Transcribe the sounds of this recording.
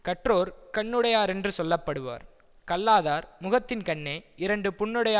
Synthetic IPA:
kɐʈroːɾkɐɳːɯɽɐjaːɾɛndrɯsɔlːɐpːɐɽɯʋa̰ːɾ | kɐlːaːðaːɾmʊɣɐt̪ːɪnkɐɳːeːɪɾɐɳɖɯpʊɳːɯɽɐjaː

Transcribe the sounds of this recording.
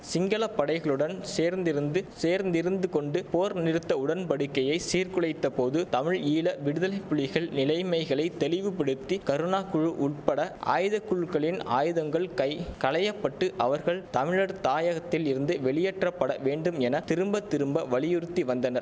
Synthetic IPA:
sɪŋɡɐɭɐpːɐɽɐɪɣɐɭɯɽɐnseːɾnd̪ɪɾɯnd̪ɯseːɾnd̪ɪɾɯnd̪ɯkɔɳɖɯpoːɾnɪɾɯt̪ːɐʊɽɐnpɐɽɯkːɐjɐɪsiːɾkɯɭɐɪt̪ːɐpoːðɯt̪ɐmɪɻiːlɐʋɪɽɯðɐlɐɪpːʊɭːɪɣɐɭnɪlɐɪmɐɪɣɐɭɐɪt̪ɛlɪʋɯpɪɽɯt̪ːikɐɾɯnaːkʊɻɯʔʊʈ̚pɐɽɐʔa̰ːjðɐkːɯɻkɐɭɪna̰ːjɯðɐŋɡɐɭkɐɪkɐlɐjɐpːɐʈːɯʔɐʋɐɾɣɐɭt̪ɐmɪɻɐɾt̪aːjɐɣɐt̪ːɪlɪɾɯnd̪ɯʋɛɭɪjɛʈrɐpːɐɽɐʋeːɳɖɯmɛnɐt̪ɪɾɯmbɐt̪ːɪɾɯmbɐʋɐɭɪjʊɾɯt̪ːiʋɐnd̪ɐnɐɾ

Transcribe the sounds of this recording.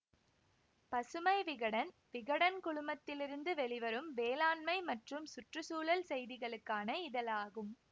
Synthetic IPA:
pɐsɯmɐɪʋɪɣɐɽɐn | ʋɪɣɐɽɐnkʊɭʊmɐt̪ːɪlɪɾɯnd̪ɯʋɛɭɪʋɐɾɯmʋeːlaːnmɐɪmɐʈrɯmsʊʈrɯsuːlɐlsɛjðɪɣɐɭɯkːaːnɐɪðɐlaːɣɯm

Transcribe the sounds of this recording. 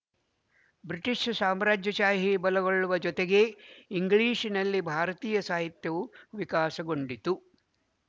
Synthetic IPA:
bɾiʈiʂsaːmɾaːd͡ʒjɐʃaːɦibɐlɐɡoɭːuʋɐd͡ʒɔt̪eɡe̞iŋɡɭiːʃinɐlːibʱaːɾɐt̪iːjɐsaːɦit̪jɐʋuʋikaːsɐɡoɳɖit̪u

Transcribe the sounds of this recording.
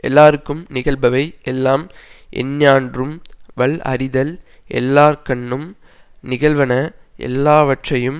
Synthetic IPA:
ʔɛlːaːɾɯkːɯmnɪɣɐɭbɐʋɐɪɛlːaːmʔɛ̰nɲaːndrɯmʋɐɭɐ̰ɾɪðɐl | ʔɛ̰lːaːɾkɐɳːɯm | nɪɣɐɭʋɐnɐʔɛ̰lːaːʋɐʈrɐjɯm

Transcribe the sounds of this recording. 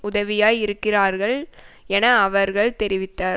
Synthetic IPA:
ʊðɐʋɪjaːjɪɾɯkːɪraːɾɣɐɭ | ɛnɐːʋɐɾɣɐɭt̪ɛɾɪʋɪt̪ːaːɾ

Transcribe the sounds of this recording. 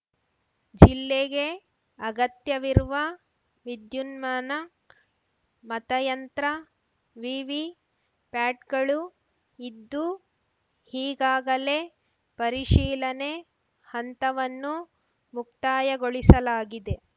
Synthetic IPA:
d͡ʒilːeɡe̞ | ɐɡɐt̪jɐʋiɾuʋɐ | ʋid̪junmaːnɐ | mɐt̪ɐjɐnt̪ɾɐ | ʋiːʋi | paːʈɡɐɭu | id̪ːu | hiːɡaːɡɐle̞ | pɐɾiʃiːlɐne̞ | hɐnt̪ɐʋɐnːu | mukt̪aːjɐɡoɭisɐlaːɡid̪e̞

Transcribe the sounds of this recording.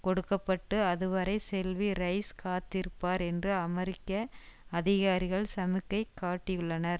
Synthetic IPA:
kɔɽɯkːɐpːɐʈːɯɐðɯʋɐɾɐɪsɛlʋiɾɐɪskaːt̪ːɪɾɯpːaːɾɛndrɯɐmɛɾɪkːɐɐðɪɣaːɾɪɣɐɭsɐmɯkːɐɪkːaːʈːɪjɯɭːɐnɐɾ

